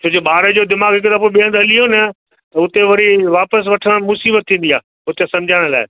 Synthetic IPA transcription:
t͡ɕʰoːd͡ʑoɓaːɾəd͡ʑoːd̪ɪmaːɡɦɪk̬t̪aːpoːeɓiə̃nd̪ɦɐlijonɐ | t̪ɐʊt̪eʋɐɾiʋaːpəs̬ʋɐʈʰəɽ̃mʊsiːbət̪ʰːĩːn̆d̪ijaː | ʊt̪əsɐ̃md͡ʑʱaːɽ̃la̰ːɪ

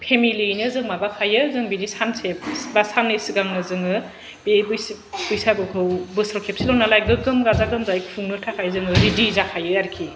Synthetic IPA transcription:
pʰemilinɯzɯŋmabakʰajɯzɯŋbinisansebbasanːɯsɯɡaŋnɯzɯŋɯ | b̥ebujs | b̥ujsabɯkʰɯwbɯsɾɔkʰep̚silɔnalajɡɯɡɯmɡazaɡɯmzaikpʰuŋnɯtʰakʰajzɯŋɯɾidizakʰajɯaɾikʰi

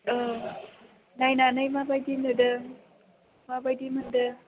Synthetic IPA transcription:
najnanajmabajdinɯdɯ | mabajdimɯndɯ

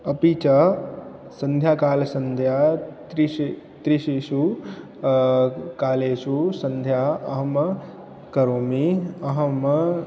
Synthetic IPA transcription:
ɐpit͡ʃɐ | sɐnd̪ʱjaːkaːlɐsɐnd̪ʱjaːt̪ɾii | t̪ɾiʃiʃu | kaːleːʃusɐnd̪ʱjaːɐɦɐmɐ | kɐɾoːmiɐɦɐm

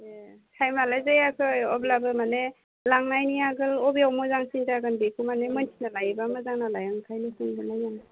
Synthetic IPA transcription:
ekʰajmalajzajakʰɯɔblabɯmane | laŋnajniaɡɯlɔbiawmɔzaŋsiŋtaɡanbekʰumanemɯnsʰinalajbamɯzaŋnalajaŋkʰajnisiŋdanajana

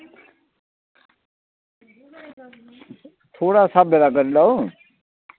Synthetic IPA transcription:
t̪ʰoːɽaːsaːbʱelaːkəɾĩd̪aːõː

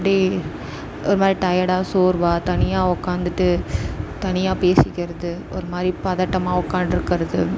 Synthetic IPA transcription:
ɽi | ʔɔɾɯmaːd̪ɾiʈɐjɐɽaːsoːɾʋaːt̪ɐnɪjaːʊkːaːnd̪ɯʈːɯt̪ɐnɪjaːpeːsɪkʲːɪɾɐðɯ | ɔɾɯmaːd̪ɾipɐðaːʈːɐmaːʊkːaːɳɖɪɾɯkːɪɾɐðɯ

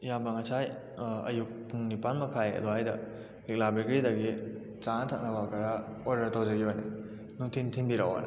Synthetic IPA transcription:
jambɐŋɐsʰaj | ɐ̰juk̚puŋnipanmɐkʰajɐ̰doɦajdɐ | lik̚labikɾidɐɡi | t͡ʃatʰak̚nɐbakɐɾaoɾdɐɾtawd͡ʒɐɡiajni | nuŋtʰintʰiŋbiɾawa̰nɐ̰

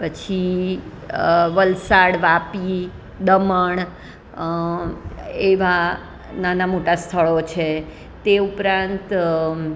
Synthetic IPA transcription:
pət͡ʃʰi | ʋəlsaɽʋapi | d̪əməɳ | eʋa | nanamoʈast̪ʰəɭot͡ʃʰe | t̪eupɾãnt̪

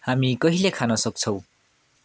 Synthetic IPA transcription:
hamikʌɦilekʰanʌsʌk̚t͡sʰʌw̃

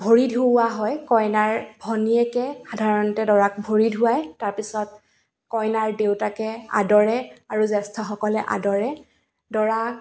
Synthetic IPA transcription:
bʱoɹidʱuaɦɔjkɔjnaɹbʱɔniɛkɛxadʱaɹɔntɛdɔɹak̚bʱoɹidʱʊajtaɹpisɔt̚ | kɔjnaɹdewtakɛa̰dɔɹɛaɹuzɛstʰɔxɔkɔlɛʔa̰dɔɹɛ | dɔɹa

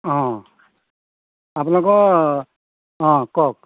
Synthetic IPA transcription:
ɦɔ̃ | apunɔkɔ | ɦɔ̃kɔk̚

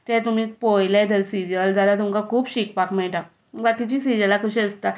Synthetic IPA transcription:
t̪ɛ̃t̪um̤iːpojlɛd̪ʱəlsiɾijəld͡zʱalat̪̬umkakʰuːpɕik̚pakmɛʈa | əʋat̪it͡ɕiːsiɾijəlakəɕɛəst̪a

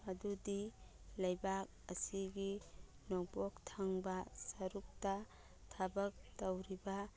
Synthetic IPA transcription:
ɐdudi | lajbak̚ɐ̰siɡi | nɔk̚bɔk̚tʰaŋbɐsɐɾuk̚ta | tʰabɐk̚tawɾiba

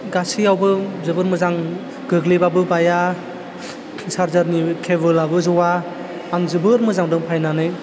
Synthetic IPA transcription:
ɡasiawbɯzɯbɯɾmɯzaŋ | ɡɯɡlebabɯbaja | saɾzaɾnikʰebɯlabɯzɔwaː | ŋzɯbɯɾmɯzaŋdɯŋpʰajnanɯj

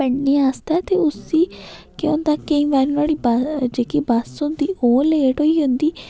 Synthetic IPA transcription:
əɳneːaːst̪aːt̪eːʊsiːkeõnd̪aːkəĩːʋaːɾnɔːɽiːbad͡ʒeːkibaːsõːd̪iːʔoːleːʈoːiːɦʊ̃nd̪iː

